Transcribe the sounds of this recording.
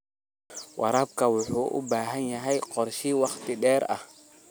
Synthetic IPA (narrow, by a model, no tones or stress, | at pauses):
wʔɑɾaːb̚kʰɐwʊħuːʔʊ̰baːɦɐnjɐɦɛjqɔrʃiːwɑχt̪ɪɖɛːɾɐ̰h